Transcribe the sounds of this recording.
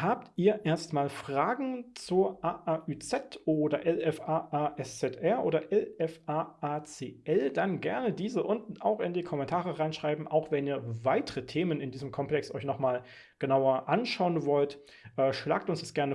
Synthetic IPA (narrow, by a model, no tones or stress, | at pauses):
haːp̚tʔiːɐʔeːɐstmaːlfʁ̥aːɡŋ̩t͡suːɐʔaːʔaʔyːt͡sɛtʔoːdɐʔɛlɛfaːʔaːʔɛst͡sɛtʔɛɐʔoːdɐʔɛlɛfaːʔaːt͡seːʔɛldanɡɛɐnədiːzəʔʊntn̩a̰ʊxɪndiːkʰɔmɛntʰaːʁəʁaɪnʃʁ̥aɪbm̩ʔaʊxv̥ɛniːɐvaɪtəʁətʰeːmənɪndiːzəmkʰɔmplɛkstɔ̰ʏçnɔχmaːl | ɡ̥ənaʊɐʔanʃaʊənvɔlt | ʔɛːʃla̰ːk̚tʊnsd̥asɡ̥ɛɐnə